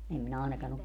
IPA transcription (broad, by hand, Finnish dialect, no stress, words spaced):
em minæ ɑenɑkɑn ok